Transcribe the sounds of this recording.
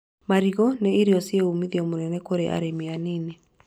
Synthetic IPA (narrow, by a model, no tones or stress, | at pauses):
maɾiɣɔneiɾeɔsieumiðiɔmonɛnɛkoɾeʔa̰ɾemeanine